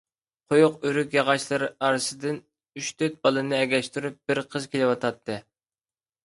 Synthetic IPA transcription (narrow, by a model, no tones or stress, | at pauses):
qʰojʊqyɾykʲjɑʁɑʃlˠɨɾɨɑɾɨsɨd̪ɨn | yʃt̪ʰøt̪̚bɑlˠɨnɨɛɡʲɛʃt̪yɾyp̚b̥ɪɾqʰəzkʲʰelɪwɑt̪ʰɑt̪ʰːɨ